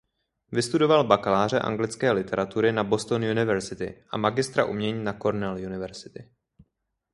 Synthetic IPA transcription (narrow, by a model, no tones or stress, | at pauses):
vɪst̪udo̞valbakalaːr̝ɛʔa̰ŋɡlɪt͡skɛːlɪt̪ʰɛɾat̪uɾɪnabo̞st̪onjunɪvɛɾzɪt̪ɪ̰ʔa̰maɡɪst̪ɾa̰ʔumɲɛɲiːnako̞ɾnɛljunɪvɛɾz̥ɪ̥t̪ɪ